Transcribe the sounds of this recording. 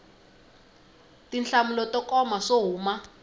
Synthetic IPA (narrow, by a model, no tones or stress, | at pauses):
tinɬamulɔtɔkɔmaʂoɦuːma